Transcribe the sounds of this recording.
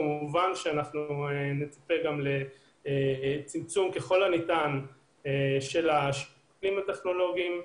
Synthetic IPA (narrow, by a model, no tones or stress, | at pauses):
amuvanʃeanaχnuenet͡sḁpeɡamle̞ | t͡simt͡sumkeχo̞lanitan | eʃe̞laʃ | klimat̪eχno̞lo̞ɡiim